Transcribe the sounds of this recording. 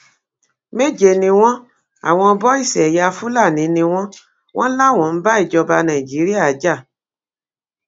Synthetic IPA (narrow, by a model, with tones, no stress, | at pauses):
me˦˨d͡ʒe˦˨nĩ˧w̃ɔ̃˦ | a̰˨w̃ɔ̃˧bɔ˦i˦˨sɛ˨ja˧fu˦la˦˨nĩ˨˦nĩ˧w̃ɔ̃˦ | w̃ʔɔ̃˦la˦˨w̃ɔ̃˨n̩˦ba˦i˦˨d͡ʒɔ˧ba˧nã˨ĩ˨d͡ʒi˨˦ɾi˦a˦˨˦d͡ʒa˦˨